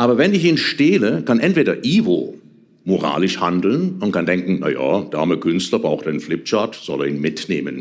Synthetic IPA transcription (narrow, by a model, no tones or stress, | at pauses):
ʔaːbɐvɛnɪçiːnʃteːləkanʔɛntv̥eːɾɐʔiːvo | moʁa̰ːlɪʃhandl̩nʊntkʰandɛŋkŋ̩na̰ja̰ːd̥a̰ɐməkʰʏnstlɐbʁaʊxtanflɪp̚t͡ʃaɐtz̥ɔlɛɐiːnmɪtnḛːmə̰n